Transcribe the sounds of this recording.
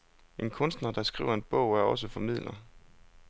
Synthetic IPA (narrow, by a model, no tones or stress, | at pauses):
e̝nkʰɔ̽nsd̥nɐd̥ɑ̈sɡ̥ʁḭːʊɐe̝nb̥ɔ̰̽ʊ̰æɐɒ̽s̬əfɒ̽mið̰ˠlɐ